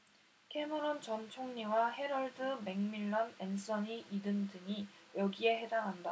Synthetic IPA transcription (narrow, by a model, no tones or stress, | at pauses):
kʰe̞mɯɾʌnt͡ɕʌmt͡ɕʰoŋɲiwahe̞ɾʌɭdɯme̞ŋmiɭːʌnens͈ʌɲiʔidɯndɯŋijʌɡie̞ɦe̞daŋɦanda